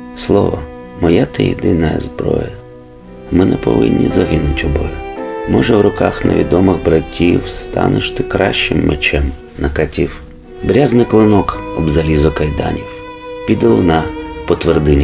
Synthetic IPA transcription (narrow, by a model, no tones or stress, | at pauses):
slˠɔʋɔ | mɔjat̪ɪjḭd̪ɪnɐjɐzbɾɔ̰jɐ | mɪnɛpɔ̰ʋɪ̰nʲːḭzɐɦɪnʊtʲɔbɔjʊmɔʒɛwrʊkɑxnɐ̰ʋʲid̪ɔmɪɣbɾɐtʲʰːiwst̪ɑ̰nɪʃt̪ɪkɾɑʃt͡ʃɪmːʔet͡ʃɛm | nɐkɐtʲiw | bɾʲaznɪklˠɪnɔkɔbzɐlʲizɐkɐjd̪ɑnʲiw | pʲid̪ɪlˠɪnɐpɔt̪ʋerd̪ɪnʲ